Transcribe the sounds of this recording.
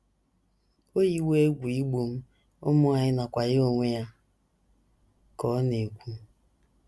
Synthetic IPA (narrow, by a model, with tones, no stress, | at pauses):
o˦ji˦we˦e˦ɡʷu˨i˦ɡ͡bu˨m̩˦ | ʊ˦mʊ˦a˦˨ɲɪ˦na˨kʷa˨ɣɪ˦o˨ŋʷe˦ja˦ | kɔ˦ne˨kʷu˨˦